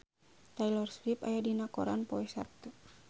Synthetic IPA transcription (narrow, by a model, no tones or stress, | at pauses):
t̪ailɔrsɾipa̰jadinakɔɾanpɔɛsa̰t̪u